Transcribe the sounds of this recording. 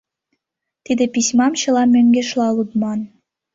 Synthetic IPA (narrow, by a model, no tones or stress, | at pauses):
t̪id̪ĕpisʲmɑmt͡ɕɤ̆lɑmøŋɡeʃlɑlut̪mɑn